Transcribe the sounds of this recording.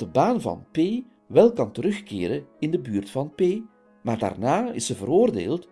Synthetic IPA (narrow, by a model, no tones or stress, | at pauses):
dəbaːnvɑ̰npeː | ʋɛlˠkɑntəɾɵxkḛːɾənɪndəbyːrtfɑnpeː | maːrda̰ːrnaːɪ̰səvəɾoːrdḛːlˠt